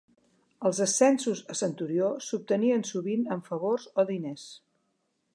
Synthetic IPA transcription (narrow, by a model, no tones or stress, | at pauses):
əlˠzəsɛnsuzəsənt̪uɾiosup̚t̪əniənsuβinəɱfəβorzoðines